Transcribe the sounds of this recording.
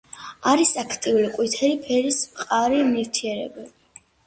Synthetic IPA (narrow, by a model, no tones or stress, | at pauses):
aɾisakʰt̪ʼiuliqʼwit̪ʰɛlipʰɛɾismqʼaɾimiɾt̪ʰiɛɾɛ̰bɛbi